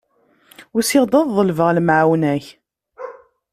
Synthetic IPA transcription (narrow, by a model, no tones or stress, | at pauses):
ʊɾsɪʁd̪ˤɑððˤəlvəʁlmʕawnæç